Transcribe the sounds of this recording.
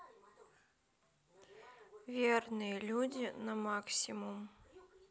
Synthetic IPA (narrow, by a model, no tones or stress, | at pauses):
vʲernɨjəlʲudʲinɐmaksʲimum